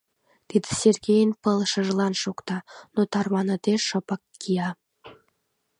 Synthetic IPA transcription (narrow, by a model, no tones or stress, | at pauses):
t̪id̪ə̥sʲerɣejənpəlʃə̆ʒlɑnʃokt̪ɑnot̪ɑrβɑnə̆t̪eʃə̆pəkːijɑ